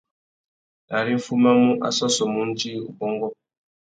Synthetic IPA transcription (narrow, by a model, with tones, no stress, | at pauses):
na˨ɾi˦ɱ̩˦fu˦ma˦mu˦ʔa̰˦˨sɔ˦sɔ˨mu˦n̩˦d͡ʒi˦ṵ˨bɔ˦ŋɡɔ˦